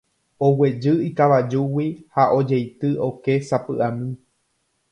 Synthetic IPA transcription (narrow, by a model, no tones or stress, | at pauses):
o̞we̞d͡ʒɨikaʋad͡ʒuwihaʔo̞d͡ʒejt̪ɨʔo̞ke̞sapɨʔamĩ